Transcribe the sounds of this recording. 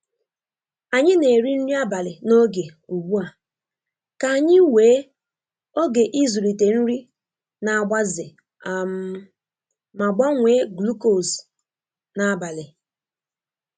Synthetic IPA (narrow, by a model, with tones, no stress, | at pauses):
a˨ɲɪ˦ne˨ɾi˦n̩˦ɾi˦a˦ba˨lɪ˨no˦ɡe˨ | u˨ɡ͡bu˦a˨ | ka˨a˨ɲɪ˦weː˨˦ | o˦ɡe˨ʔi˦zu˨ɾi˨te˨n̩˦ɾi˦ | na˨a˨ɡ͡ba˦zɪ˨ | a˨m˦ | ma˨ɡ͡ba˦ŋʷe˦ɡlu˦ko˨s | na˨˦ba˨lɪ˨